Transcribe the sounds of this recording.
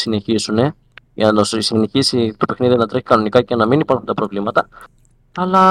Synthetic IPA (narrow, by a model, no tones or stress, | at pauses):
sine̞çisune̞ | ʝɐ̰nosisine̞çisit̪ope̞xniðinɐt̪ɾe̞çi̥kɐno̞nikɐcenɐminipɐɾxunt̪ɐpɾo̞vlimɐt̪ɐ | ɐlɐ